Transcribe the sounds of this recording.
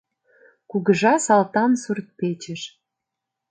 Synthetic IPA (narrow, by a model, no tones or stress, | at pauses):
kuɣəʒɑsɑlt̪ɑnsurt̪̚pet͡ɕəʃ